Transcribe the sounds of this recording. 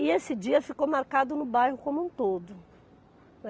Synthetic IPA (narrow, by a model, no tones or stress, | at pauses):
ɪesɪd͡ʒiɐfikowmaɾkad̪ʊnʊbajɦʊkõmũt̪od̪ʊ